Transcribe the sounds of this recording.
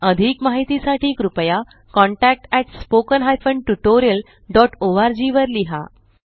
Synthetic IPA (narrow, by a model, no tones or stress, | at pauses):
əd̪ʱiːkmaɦit̪isaʈiːkɾupəja | kɔ̃ɳʈæk̚ʈɛʈspokənɦajfəɳɖ̚ʈuʈoɾijəl | ɖɔʈoʋaɾd͡ʑiʋəɾliɦa̰